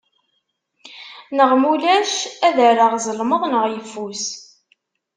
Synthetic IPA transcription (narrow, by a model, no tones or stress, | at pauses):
nəʁmulæʃæðəɾəʁzəlməðˤnəʁjəfːus